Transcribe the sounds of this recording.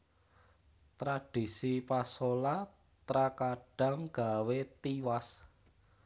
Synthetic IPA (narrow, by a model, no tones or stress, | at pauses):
t̪ɾaɖ̥i̤sipasola | t̪ɾakaɖ̥a̤ŋɡ̥a̤wet̪iwas